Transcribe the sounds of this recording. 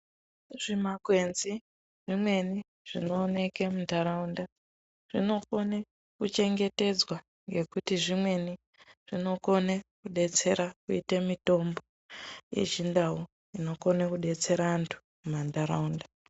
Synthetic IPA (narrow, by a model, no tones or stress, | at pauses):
ʐ̥imakwe̞nzi | ʐ̥imwe̞ni | ʐ̥inoːne̞ke̞mundaɾaunda | ʐ̥ino̞kone | kut͡ʃe̞ŋɡe̞te̞d͡zwa | ŋɡe̞kutiʐimwe̞ni | ʐ̥ino̞ko̞nekuɗe̞t͡se̞ɾakuitemito̞mbo̞ | jḛt͡ʃindau | ino̞konakuɗe̞t͡se̞ɾaːntʰu̥ | umandaɾaunda